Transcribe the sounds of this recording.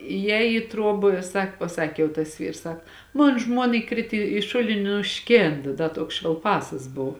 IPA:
ɪjˈɛːj iː ˈtruɔp ˈsɐk pɐˈsɑːkʲeː jɛʊ tɐs ˈʋʲiːrs ˈsɐk ˈmoːn ˈʒmuɔnɐ ɪˈkrʲɪt ɪ ˈʃʊlʲɪnʲɪ ɪ nʊˈʃʲkʲeːnt ˈdɐ ˈtuɔks ʃʲʋʲɛlˠˈpɑːsɐs ˈboːw

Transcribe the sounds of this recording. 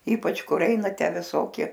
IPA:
ˈiːpɐt͡ʃ ˈkʊr ˈɛɪnɐ ˈtʲæː ʋʲɪˈsoːkʲɪ

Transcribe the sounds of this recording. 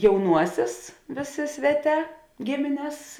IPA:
jɛʊˈnuɔsʲeːs ˈʋʲeːˌsʲeː ˈsʲʋʲæːˌtʲɛː ˈɡʲɪmʲɪnʲɛs

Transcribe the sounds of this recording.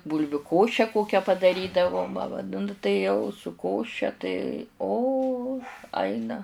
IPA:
ˈbuːlʲʋʲʊ ˈkoːʃʲɛ ˈkoːkʲɛ pɐdɐˈrʲiːdɐʋoː nʊ tɐɪ ˈjɛʊ sʊ ˈkoːʃʲɛ tɐɪ oː ˈɐɪnɐ

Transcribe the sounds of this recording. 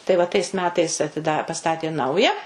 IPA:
tɐɪ ʋɐ tɐɪs ˈmʲæːtɐɪs ɐtʲɪˈdɐ pɐˈstɑːtʲeː ˈnɐʊjɛ

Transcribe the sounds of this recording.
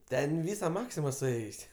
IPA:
ˈtʲɛn ˈʋʲiːsɐ ˈmɑːksʲɪmɐ sʊˈeːjʊsʲɪ

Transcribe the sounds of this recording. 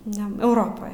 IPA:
ˈnʲɛ ɛʊˈroːpoːj

